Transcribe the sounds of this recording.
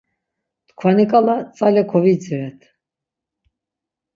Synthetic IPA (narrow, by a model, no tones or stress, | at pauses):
t̪kʰvanikʼalat͡sʼalɛkʰɔvit͡sɛɛt̪ʰ